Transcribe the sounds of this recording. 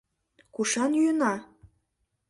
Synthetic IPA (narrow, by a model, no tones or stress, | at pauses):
kuʃɑnjyənɑ